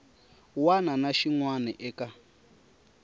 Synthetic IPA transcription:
wananaʃiŋwanɛʔɛka

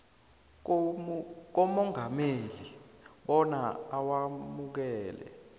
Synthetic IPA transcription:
k̬ɔmɔŋameliɓɔnaawamuk̬ɛːlɛ̰

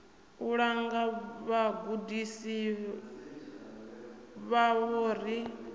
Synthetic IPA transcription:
uɺaŋɡaβaɡudisi | βaβoːɾ̤i

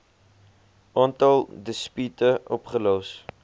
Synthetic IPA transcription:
ʔɑːntɐlˠdəspytəʔɔpχəlows

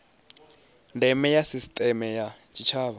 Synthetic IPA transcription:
ndɛmɛjasistʼɛmɛjat͡ʃʼit͡ʃʰaːβa

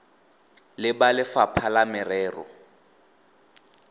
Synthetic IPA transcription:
lɪbalɪfapʰalamɛrɛːrɔ̰

